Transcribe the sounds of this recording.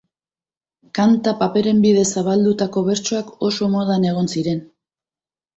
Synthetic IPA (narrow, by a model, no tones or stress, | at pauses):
kant̪apape̞ɾe̞mbið̞e̞saβ̞ald̪ut̪ako̞β̞e̞ɾt͡ʃo̞ako̞so̞moðane̞ɣ̞o̞nsiɾe̞n